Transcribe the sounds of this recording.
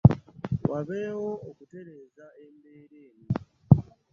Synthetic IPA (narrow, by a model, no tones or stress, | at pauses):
wʔaβe̞wo̞ːkute̞ɾe̞ːzaembe̞ːɾeːni